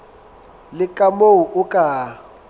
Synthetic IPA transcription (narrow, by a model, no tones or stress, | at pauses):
lɪkʼamoʊʔʊkʼaː